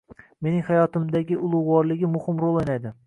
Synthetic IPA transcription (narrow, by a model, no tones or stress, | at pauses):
me̞nɪŋhajɒt̪ɪmd̪aɡʲɪʊlˠʊwwɒɾlˠɪɡʲɪmʊhɪmɾolˠenajd̪ɪ